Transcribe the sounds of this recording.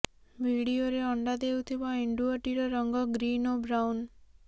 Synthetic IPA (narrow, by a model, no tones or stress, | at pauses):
bʱiɽioɾeɔɳɖad̪ewt̪ʰibaiɳɖuɔʈiɾɔɾɔŋɡɔɡɾinobɾawn